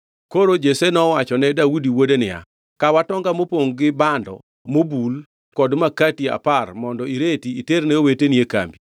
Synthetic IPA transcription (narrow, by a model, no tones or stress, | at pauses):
koɾod͡ʒesenɔwat͡ʃɔnɛdaudiwodenɪja̰ | kawatɔŋɡamopoŋɡɪbandɔ̰ | mobul | kɔdmakatia̰parmɔndɔiɾetiːternɛowetenieka̰mbi